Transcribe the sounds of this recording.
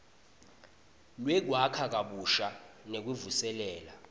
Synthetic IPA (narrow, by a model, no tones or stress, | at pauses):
lwɛk̬wakʰak̬ʼaɓuʃanek̬wuvusɛlɛːla